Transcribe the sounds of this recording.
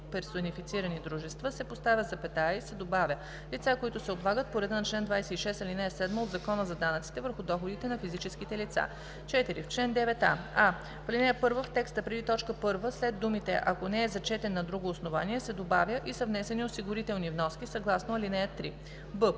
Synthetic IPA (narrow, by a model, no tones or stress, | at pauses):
pɛɾsonifit̪siɾənid̪ɾuʒɛst̪vəsɛpost̪avʲjət̪zɐpɛt̪aisɛd̪obavʲjə | lit̪sakoit̪ʊsɛoblˠaɡət̪̚poɾɛd̪ənɐt͡ʃlɛnd̪vajsɛiʃɛst̪ɐlinɛjəsɛd̪məod̪zɐkɔnəzɐd̪anət̪si̥t̪ɛvəɾxʊd̪ɔxod̪it̪ɛnɐfizit͡ʃɛsk̟it̪ɛlit̪sa̰ | t͡ʃɛt̪iɾift͡ʃlɛnd̪ɛvɛt̪a̰a | flinɛjəpɤɾvəft̪ɛkst̪əpɾɛd̪it̪ɔt͡ʃkəpɤɾvəslɛd̪̚d̪ːumit̪ɛ̰ʔɐkonɛːzɐt͡ʃɛt̪ɛnːɐd̪ɾuɡoːsnovaniɛsɛd̪obavjəʔisəvnɛsɛniosiɡʊɾit̪ɛlˠnivnɔskisɐɡlˠasnoɐlinɛjət̪ɾi | bə